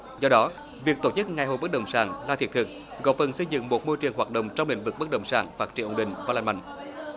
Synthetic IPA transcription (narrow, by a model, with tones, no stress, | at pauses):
zɔ˧ɗɔ˨˦ | vi˨˩ək̚t̪o˧˩t͡ɕɨ˦˥k̚ŋa˨˩jhɦo̰˨˩jɓə˦˥k̚ɗə̰˨˩wŋ͡msaː˧˩ŋlaː˧t̪ʰi˨˩t̪̚ʰɨ˨˩k̚ɣɔ̰˧˨fə˨˩nsə˧jzɨ̰˧˨ŋmo˨˩t̚mo˧jt͡ɕɨ˨˩əŋɦwaː˨˩t̚ɗə̰˧˨wŋ͡mt͡ɕɔ˧ŋ͡mlï˧˨ŋ̟vɨ˨˩k̚ɓə˦˥k̚ɗə̰˧˩wŋ͡msaː˧˩ŋfaː˦˥t̚t͡ɕi˧˩˨ʔə˨˩ŋ͡mɗï˨˩ŋ̟vaː˨˩laː˧˩nma̰˧˨jŋ̟